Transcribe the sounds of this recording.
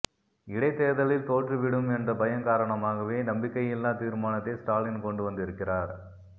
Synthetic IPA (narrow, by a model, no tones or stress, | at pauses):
ɪɽɐɪt̪ːeːðɐlɪlt̪oːʈrɯʋɪɽɯmɛndrɐbɐjɐnkaːɾɐɳɐmaːɣɐʋeːnɐmbɪkːɐjɪlːaːt̪iːɾmaːnɐt̪ːɐsʈaːlɪnkɔɳɖɯʋɐnd̪ɪɾɯkːɪraːɾ